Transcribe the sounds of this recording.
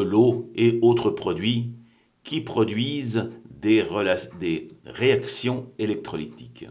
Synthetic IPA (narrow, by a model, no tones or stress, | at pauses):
əloeot̪χəpχɔd̪ɥi | kʲipχɔd̪ɥizd̪eʁlad̪eʁeaksjɔ̃elɛk̚t̪χɔlit̪i̥k